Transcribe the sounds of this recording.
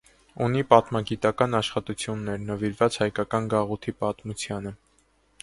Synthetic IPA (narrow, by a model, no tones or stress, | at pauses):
unipɑt̪mɑɡit̪ɑkɑnɑʃχɑt̪ut͡sʰjunːɛɾnəviɾvɑt͡shɑjkɑkɑnɡɑʁut̪ʰipɑt̪mut͡sʰjɑnə